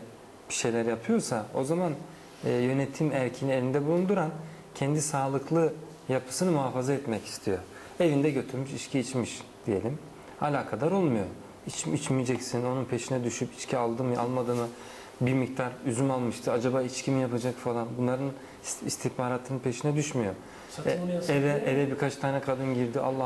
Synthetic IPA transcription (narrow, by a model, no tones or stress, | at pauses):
bi̥ʃe̞jlʲæɾjapʰɯjo̞ɾsao̞̰zamanː | jø̞net̪ʰimæɾcʰenielʲind̪ɛbulˠund̪uɾan | cʰɛnd̪isaːlˠɯklˠɯ | japʰɯ̥sɯnɯmuɦaːfazaɛt̪mɛci̥st̪ʰijo̞ | e̞vind̪ɛɟø̞t̪ʰyɾmyʃiʃcʰiit͡ʃmiʃd̪̥ije̞lʲim | a̰lʲaːkʰad̪aɾo̞lˠmujo̞ | it͡ʃit͡ʃmijd͡ʒɛcsino̞nunpʰe̞ʃinɛd̪yʃypit͡ʃcʰialˠd̪ɯmɯa̰lˠmad̪ɯmɯ | biɾmic̚t̪ʰaɾyzymalˠmɯʃt̪ʰɯad͡ʒabaːit͡ʃcʰimijapʰad͡ʒakfalˠanbunlˠaɾɯn | ist̪ʰihbaːɾaːt̪ʰːɯnɯnpʰe̞ʃinɛd̪yʃmyjo̞ | ɛvɛɛvɛbiɾkʰat͡ʃt̪ʰaːnɛkʰad̪ɯnɟiɾd̪iʔa̰lˠːa